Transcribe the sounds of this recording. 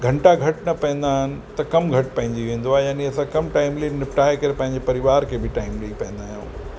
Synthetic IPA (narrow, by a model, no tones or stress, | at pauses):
ɡʱɐ̃ɳʈaɡʱɐʈnɐpɐ̃ɦɪ̃n̆d̪aːɦɪnɪ̆t̪ɐkɐmɡʱɐʈpɐ̃ɦɪ̃ɲd͡ʑiʋẽːn̆d̪oaːɦejaːniɐsãkɐmʈaːɪmleinɪpʈaːekɐɾepɐ̃ɦɪ̃ɲd͡ʑepɐɾɪʋaːɾkʰebʱɪʈaːɪmlɐipɐ̃ɦɪ̃n̆d̪aːjṵ̃ː